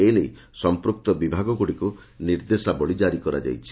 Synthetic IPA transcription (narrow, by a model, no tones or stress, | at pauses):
elej | sɔmpɾuk̚t̪ɔbibʱaɡɔɡuɽiku | niɾd̪esabɔɭid͡ʒaɾikɔɾa̰d͡ʒa̰jt͡ʃʰi̥